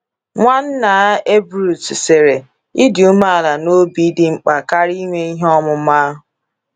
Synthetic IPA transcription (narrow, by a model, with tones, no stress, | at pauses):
ŋʷa˦n̩˦na˨˦e˦bɾu˨tse˨ɾe˨ | ɪ˦dɪ˨u˦ma˦a˨la˨no˦bi˨˦dɪ˦ŋ͡m̩˨k͡pa˨ka˦ɾi˦ŋʷe˦i˦ɦɔ˦mʊ˨˦ma˦ɦʊ˨